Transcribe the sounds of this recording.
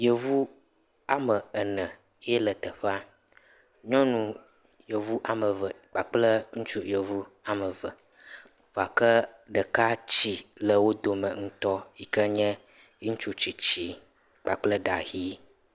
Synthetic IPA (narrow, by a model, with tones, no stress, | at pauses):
jə˨vu˦ | a˨mə˨ə˨nə̃˨˦ | ɛ˦lə˨t̪ə˨ɸa˦ | ɲɔ̃˦nũ˨ | jə˨vu˦ʔa˨mə˨və˨ | k͡pa˨k͡plə˦ŋũ˦t͡ʃu˦jə˨vu˦a˨mə˨və˨ | va˨kə˦ | ɖə˨ka˦t͡ɕi˨lə˨wo˦d̪o˨mə̃˨ŋ̩̃˦t̪ɔ˦ji˨kə˦ɲɛ̃˦ | i˦ŋ̩ũ˦t͡ʃu˦t͡ɕi˨t͡ɕi˨ | k͡pa˨k͡plə˦ɖa̰˨ɣi˦